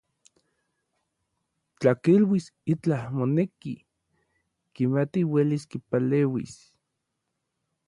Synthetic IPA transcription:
t͡ɬakilwisit͡ɬahmoneki | kimat̪iweliskipaleːwḭs

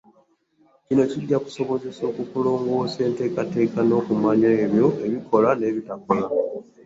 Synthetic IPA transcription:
cino̞ciɟːaku̥so̞βo̞ze̞so̞ːkukulo̞ːŋɡwo̞ːse̞ːnte̞ːkate̞ːkano̞ːkumaɲaeβjo̞e̞βikʰo̞lane̞ːβitako̞la

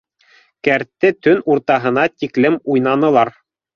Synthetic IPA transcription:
kæɾt̪ːɘt̪ɵnuɾt̪ɑɦɤ̆nɑt̪iklɘmujnɑnɤ̆lˠɑɾ

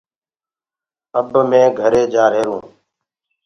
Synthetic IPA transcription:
əbmẽːɡʱəɾeːd͡ʒaːɾeːɾũː

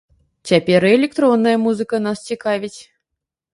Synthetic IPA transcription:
t͡sʲapʲɛɾɨɛlʲɛk̚t̪ɾɔnːɐjɐmuzɨkənast͡sʲikavʲit͡sʲ

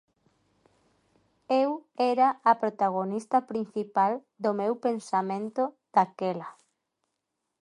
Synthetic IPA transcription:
ewɛɾaːpɾot̪aɣ̞onist̪ɐpɾin̟θipal | d̪omewpensamẽnt̪o | d̪̥akɛla

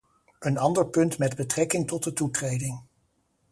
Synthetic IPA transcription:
ənɑndəɹpɵntmɛdbətrɛkɪŋtɔt̚dətutrejdɪŋ

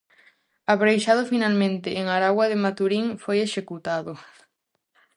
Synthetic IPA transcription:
aβɾejʃaðʊfinalmẽnt̪ɪːŋaɾaɣwaðemat̪uɾiŋfojeʃekut̪aðʊ

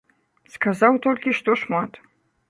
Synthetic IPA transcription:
skʰazawtʰolʲkʲiʃtʰoʂmatʰʼ

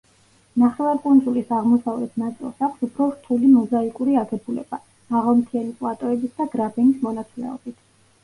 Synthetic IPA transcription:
naχɛvaɾkʼund̪zulisaʁmɔsavlɛt̪ʰnat̪sʼḭlˠsaksupʰɾɔɾt̪ʰulimɔzaikʼuɾiaɡɛbulɛ̰b̥a | maʁalˠmt̪ʰiɛnipʼlˠat̪ʼɔɛbisd̪aɡɾabɛnismɔnat̪sʰʼlɛ̰ɔ̰bit̪ʰ

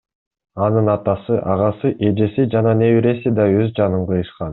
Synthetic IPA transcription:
ɑnɯnɑt̪ɑsɯʔɑʁɑsɯʔe̞d͡ʒe̞sid͡ʒɑnɑne̞wiɾe̞sid̪ɑøzd͡ʒɑnɯɴqɯjɯʃqɑn

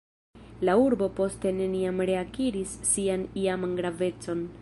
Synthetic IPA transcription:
lauɾbo̞po̞ste̞ne̞niamɾe̞akiɾisːianiamanɡɾave̞t͡so̞n

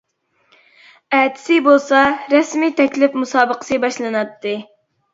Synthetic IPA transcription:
ɛt̪ʰɪ̥sɪbolˠsɑɾɛsmit̪ʰɛkʲlɪfmusɑːbəqʰə̥sɨbɑʃlˠɨnɑt̪ʰːɨ

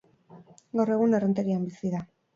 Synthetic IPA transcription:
ɡawre̞ɣunerent̪eɾiambisiða

